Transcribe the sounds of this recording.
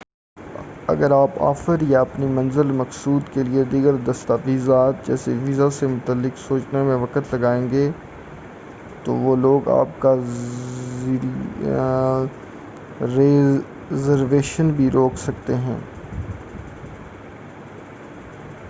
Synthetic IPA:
ɐ̰ɡəɾaːpa̰ːfəɾjaɐpnimɐ̃nzəlmɐksuːd̪kelied̪iːɡəɾd̪ɐst̪aʋiːzaːt̪d͡ʒɛ̰ːseʋiːzasemʊt̪əlːɪksoːt͡ʃnemẽʋɐkət̪lɐɡaːẽːŋɡeː | t̪o̰ʋoːloːɡa̰ːp̚ka | ɾe | zəɾʋeːʃənbʱiɾoːksɐkt̪eɦɛ̰̃ː

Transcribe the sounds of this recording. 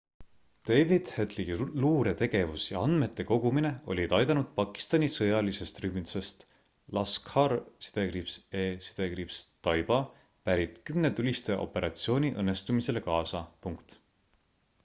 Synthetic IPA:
d̪̥ejvid̪̥het̪liɡiluːɾe̞t̪e̞ɡe̞vusjɑ̰ɑn̥me̞t̪ːe̞ko̞ɡ̥umine̞o̞̰lʲid̪ɑjd̪ɑnud̪̥̚pɑkːi̥st̪ɑnʲisɤjɑlise̞st̪ryhmit̪u̥se̞st̪ | lɑskhɑrsi̥d̪̥e̞ɡripseːsi̥d̪̥e̞ɡɾipst̪ɑjb̥ɑ | pæɾit̪kymnet̪ulʲist̪eʔo̞̰pe̞ɾɑt̪sio̞ːnʲiʔɤnːe̞st̪umise̞le̞kɑːsɑpuŋkt̪

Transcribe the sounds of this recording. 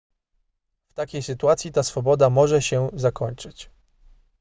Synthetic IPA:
ft̪akʲejsɘt̪uat̪sʲjit̪asfɔbɔd̪amɔʐɛɕɛzakɔɲt͡ʂɘt͡ɕ

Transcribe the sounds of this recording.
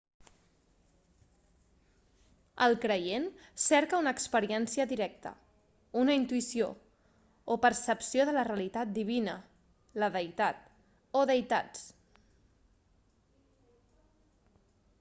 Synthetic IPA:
əlˠkɾəjensɛɾkəunəːkspəɾiɛnsiəðiɾɛk̚t̪ə̰ | unəint̪uisio | opəɾsəpsijoðələreəlit̪at̪̚d̪iβ̞inə | ləðəjt̪at̪̚ | oðəjt̪at͡s

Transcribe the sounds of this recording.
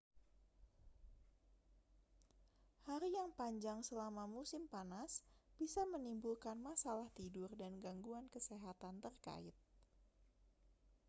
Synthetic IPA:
haɾijaŋpaɲd͡ʒaŋsəlamamusɪmpanasb̥isamənimbulkanmasalaht̪idʊrdanɡaŋɡuankəseɦat̪ant̪ərka̰ɪt̪̚

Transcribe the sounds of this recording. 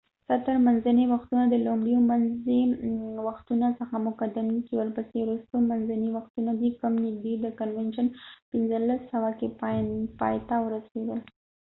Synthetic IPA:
sat̪əɾmanzaniwaxt̪unad̪əlomɽijomanzewaxt̪unasəxamʊkad̪ɪmd̪it͡ʃewəlpəsewɾust̪omanzaniwaxt̪unad̪ikəmnɪɡ̚d̪ed̪əkanwɛnʃanpɪnzəlːasːawakeppɑ̰jt̪awəɾased̪əl

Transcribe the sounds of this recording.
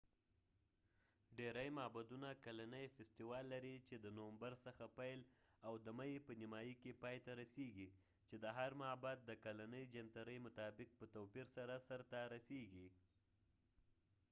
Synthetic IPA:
ɖeɾajmɑbad̪unakalanəjfɪst̪ɪwɑlːaɾit͡ʃed̪ənowambaɾsəxapajlawd̪əmajepənɪmɑjikepɑjt̪aɾaseɡi | t͡ʃed̪əɦaɾmabat̪̚d̪əkalanəjd͡ʒant̪aɾəjmʊt̪ɑbɪk̚pət̪owpiɾsaɾasaɾt̪aɾaseɡi

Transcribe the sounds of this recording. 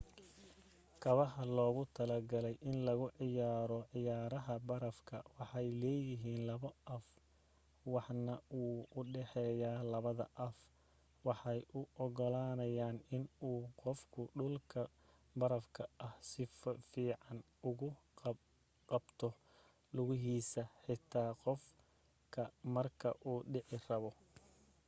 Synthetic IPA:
kʰɐβɐɦɐlɔːɣʊt̪ʰɐlɐɡɐlɛjʔɪnlɐɣʊʕɪjaːɾɔʕɪjaːɾɐɦɐbɐɾɐfkʰɐwɑħɑjlɛːjɪɦiːnlɐβɐʔɐf | wɑħnɐuːʊɖɛħɛːjaːlɐβɐðɐ̰ʔɐf | wɑħɑjʔʊʔɔɣɔlaːnɐjaːnɪnuːqɔfkʰʊɖʊlkʰɐ | bɐɾɐfkʰɐʔɐhsɪfiːʕɑn | ʊɣʊ | qɑbt̪ʰɔ | lʊɣɪɦiːsɐħɪt̪ʰaːqɔf | kʰɐmɐrkʰɐ̰ʔuːɖɪħɪrɐβɔ

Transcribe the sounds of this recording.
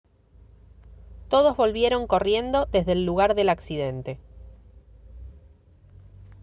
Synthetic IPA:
t̪o̞ð̞o̞zβo̞lβje̞ɾo̞ŋko̞rje̞nd̪o̞ðe̞zðeːlːuɣaɾðe̞laksiðe̞nt̪e̞

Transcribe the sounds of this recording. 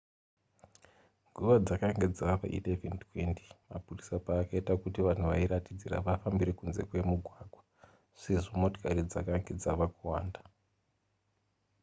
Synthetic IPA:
ŋɡʱuʋad͡zakaŋɡe̞d͡zaʋa̰ʔḭteventwenti̥ma̰purisapaːkaitakutiʋan̤uʋaiɾatid͡ziɾa̰ʋafambiɾe̞kunze̞̰kwe̞muɡʱwaɡʱwa | ʂe̞ʐomo̞to̥kaɾid͡za̰kaŋɡe̞d͡zaʋakuwaːnda

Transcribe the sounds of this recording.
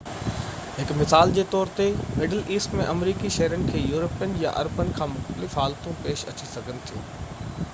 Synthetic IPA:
ɦɪkmɪsaːld͡ʑeːt̪ɔːɾt̪emɪɖəliːsʈmẽʔɐmɾiːkiʃɐɦɾənɪ̆kʰeːjuːɾəpijənja̰ʔɐ̰ɾpənɪ̆kʰãːmʊxt̪əlɪfɦaːlt̪ũpeːʃɐ̰t͡ɕisɐɡʱənɪ̆t̪ʰijo̰ː

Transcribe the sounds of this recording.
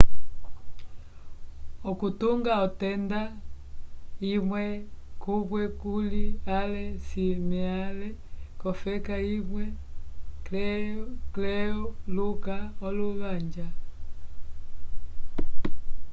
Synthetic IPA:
ɔkutuŋɡaɔtɛnda | imwɛkuβwɛkulialɛsimialɛkɔfɛkaimwɛ | klɛlukaɔluβaɲd͡ʒa

